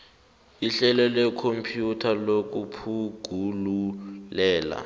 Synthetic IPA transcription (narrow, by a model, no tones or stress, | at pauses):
iɬɛlɛlɛkʰompʰjutʰalok̬ʼupʰuɡ̥ʱululɛːla̰